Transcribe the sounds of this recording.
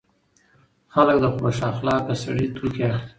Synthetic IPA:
xalək̚d̪əxoʃɑxlɑkəsaɽit̪ʰuke

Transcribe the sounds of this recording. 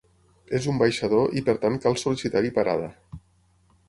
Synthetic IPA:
ezumbajʃaðoʔipəɾt̪ankalˠsulisit̪aɾipaɾa̰ðə

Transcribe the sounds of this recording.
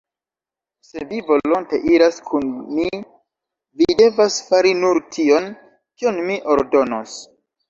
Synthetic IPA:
se̞vivo̞lo̞nte̞̰ʔiɾaskʰunmi | vide̞vasfaɾinuɾtʰion | kionmiʔo̞ɾdo̞no̰s

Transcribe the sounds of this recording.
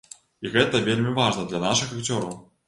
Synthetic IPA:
iɣɛt̪ɐvʲelʲmʲivaʐnɐd̪lʲɐnaʂɨxakt͡sʲɔɾɐw

